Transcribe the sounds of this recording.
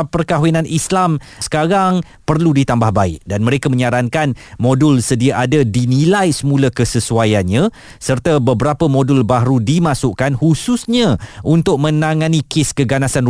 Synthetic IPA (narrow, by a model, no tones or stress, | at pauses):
pərkaɦwinanʔislam | sə̥kaɾaŋ | pərludit̪ambahbaɪʔ̚danmə̃ɾekamə̃ɲaɾaŋkanmodʊlsədiaʔadadinilajsəmũlakəsəsuajanɲã | sərt̪abəbəɾapəmõdulbaɾudimãsʊʔkanhususɲãʔunt̪ʊk̚mə̃naŋãnĩkɪskəɡanasan